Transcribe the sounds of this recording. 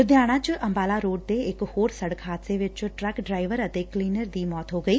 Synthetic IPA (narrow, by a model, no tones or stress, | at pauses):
d̪jaːɽ̃ãːt͡ʃʔəmbaːlaːɾoːʈ̚d̪eːɪkhoːɾsəɽəkʰɦaːt̪seːʋɪt͡ʃʈɾɛːkɖɾaːɪʋəɾət̪eːkliːnəɾd̪iːmɔːt̪ɦoːɡəiː